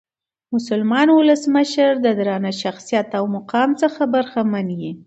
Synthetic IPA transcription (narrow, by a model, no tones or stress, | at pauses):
mʊsʊlmɑnwʊləsməʃəɾd̪əd̪ɾɑnaʃaxsijat̪awmʊqɑmt͡səxabaɾxamanji